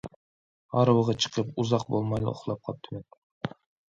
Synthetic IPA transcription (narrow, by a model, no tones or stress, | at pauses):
ɑɾwəʁɑt͡ʃʰɨ̥qʰəpuzɑq̚bolˠmɑjlˠɨ̰o̰χlˠɑp̚qʰɑp̚t̪ʰɪmet̪